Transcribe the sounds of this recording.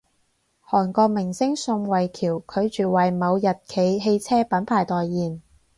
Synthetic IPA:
hɔː˨˩nkɔː˧k̚mɪ˨˩ŋsɪ˥ŋsʊ˧ŋwɐ˨jkʰiː˨˩wkʰɵ˨˧ɥt͡ʃyː˨wɐ˨jmɐ˨˧wjɐ˨t̚kʰe˨˧jɦe˧jt͡sʰɛː˥pɐ˨˥npʰaː˨˩jt̪ɔː˨jːiː˨˩n

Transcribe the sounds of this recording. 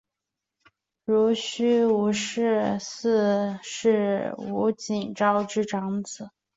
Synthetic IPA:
ɻu˧˥ɕy˥u˧˥ʂɻ̩˥˧sɹ̩˥˧ʂɻ̩˥˩u˧˥t͡ɕi˨˩nʈ͡ʂɑ˥ʊʈ͡ʂɻ̩˥˩ʈ͡ʂɑ˧˥ŋt͡sɹ̩˨˩˦

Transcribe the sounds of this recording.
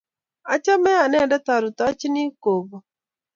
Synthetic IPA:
a˨t͡ʃa˦mɛ˦a˨nɛ˦˨dɛ˦ta˨ɾu˨ta˦t͡ʃi˦ni˦ko˨bo˨

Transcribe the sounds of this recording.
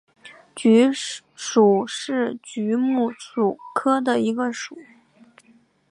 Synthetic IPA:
t͡ɕy˧˥ | ʂu˨˩ʂɻ̩˥˩t͡ɕy˧˥mu˥˩ʂu˨˩kʰɤ˥d̪ə˨i˧˥ɡə˧ʂu˨˩˦

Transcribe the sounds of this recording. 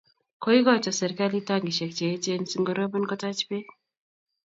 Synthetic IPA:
ko˦i˦ɡɔ˦t͡ʃɔ˨sɛ˨ɾka˦li˦ta˦ŋɡi˨ʃɛ˨k̚t͡ʃe˨˦t͡ʃe˦nsi˦ŋɡɔ˨ɾɔ˦bə˦nkɔ˦ta˦t͡ʃpe˦

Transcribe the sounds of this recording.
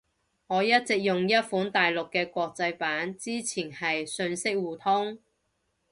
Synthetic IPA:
ŋɔː˨˧jɐ˥t̚t͡sɪ˨k̚jʊ˨ŋjɐ˥t̚fuː˨˥nt̪aː˨jlʊ˨kːɛː˧kʷɔː˧k̚t͡sɐ˧jpaː˨˥nt͡siː˥t͡sʰiː˨˩nhɐ˨jsɵ˧nsɪ˥k̚wuː˨t̪ʰʊ˥ŋ

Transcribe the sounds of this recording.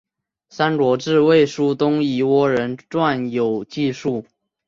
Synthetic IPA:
sa˥nɻwɔ˧˥ʈ͡ʂɻ̩˥˧we˥˩ɪʂu˥t̪ʊ˥ŋi˧˥wɔ˥ɻə˧˦nʈ͡ʂwa˥˩njo˨˩ʊt͡ɕi˥˧ʂu˥˩

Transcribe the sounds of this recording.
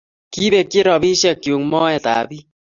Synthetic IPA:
ki˦be˨kːɪ˦ɾɔ˨bi˦ʃɛ˨kːjo˨ŋmɔ˦ɛ˨ta̰ː˨bi˦

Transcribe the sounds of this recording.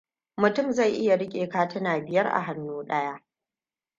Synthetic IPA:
mʊ˨tʊ˦˨mza˦˨jʔɪ˦ja˨ɽɪ˦kʲʼeː˨kaː˦tɪ˦naː˨bɪ˨jɐ˦rʔa̰˨ɦa˦nːuː˦ɗɐ˦jaː˦

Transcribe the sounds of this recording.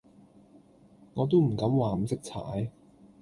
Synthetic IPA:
ŋɔː˨˧t̪̬o˥wm̩˨˩kɐ˨˥mwaː˨˧m̩˨sɪ˥k̚t͡sʰa̰ː˨˥j

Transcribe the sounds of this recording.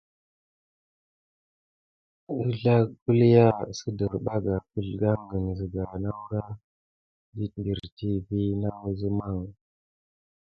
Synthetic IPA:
u˦ɮa˦ku˦lja˦˨sə˦də˨ɾɓa˦ɡa˨pu˦ɮɡa˦ŋɡə˨ŋzi˨ɡa˨na˦wɾa˦ | di˦ndi˨ɾti˦vi˦na˦wzə˦ma˦˨ŋ

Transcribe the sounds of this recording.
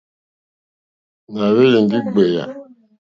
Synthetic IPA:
na˨βe˦li˨ŋ˨ɡi˦ɡ͡be˨ja̰˨

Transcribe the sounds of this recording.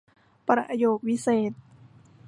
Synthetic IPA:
pɾa̰˧ʔjoː˧˩k̚wi˦˥seː˨˩t̪̚

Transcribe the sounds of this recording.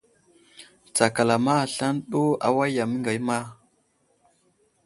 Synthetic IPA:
t͡sa˨ka˨la˨ma˦˨ɬa˦nɗo˦a̰˦wa˦ja˨mi˦ŋɡa˨jma˦

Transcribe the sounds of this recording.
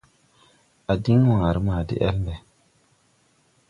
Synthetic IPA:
a˨di˦ŋwa˨ŋa˨ɾi˦maː˨dḭ˦ʔɛ̰˦lbe˨

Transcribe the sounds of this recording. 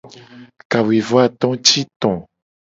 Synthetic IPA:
ka˨wi˨vo˦a˦˨t̪ɔ̃˦t͡ʃi˦t̪ɔ̃˨

